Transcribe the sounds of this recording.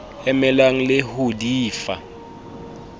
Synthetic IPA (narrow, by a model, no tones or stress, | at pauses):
ɛmɛlaŋ̩lehodiːfa̰